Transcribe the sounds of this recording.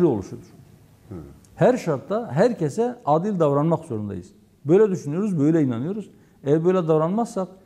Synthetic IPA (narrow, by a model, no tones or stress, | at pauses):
liolˠuʃuuɾ̥ | hæɾʃaɾt̪ʰːaɦæɾcesɛaːd̪ilʲd̪avɾanmakz̥o̞ɾund̪a̰jɯ̰z̥ | bø̞jlʲɛd̪yʃynyjo̞ɾuzbø̞jlʲɛinanɯjo̞ɾuz̥ | ɛjæɾbø̞jlʲɛd̪avɾanmassak̚